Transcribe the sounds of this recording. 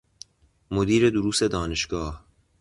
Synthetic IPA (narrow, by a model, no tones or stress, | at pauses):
mod̪iːɾe̞d̪oɾuːse̞d̪ɒːneʃɡɒːh